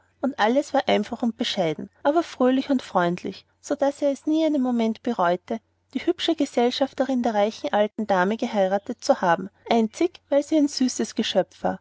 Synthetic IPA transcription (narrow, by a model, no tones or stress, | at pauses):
ʊntʔaləsv̥aːɐʔaɪnfaχʊnt̚b̥əʃaɪdn̩ʔaːbɐfʁ̥øːlɪçʊntfʁ̥ɔʏndlɪ̰ç | sod̥aseːɐɛsniːandemːomɛntb̥əʁɔʏtʰə | d̥iːhʏpʃəɡəzɛlʃaftəʁɪndeːɐʁaɪçn̩ʔaltn̩d̥aːməɡəɦaɪʁatət̚t͡suhaːbm̩ʔaɪnt͡sɪçvaɪlziːæɪnz̥yːsəsɡ̥əʃœpp͡fv̥a̰ːɐ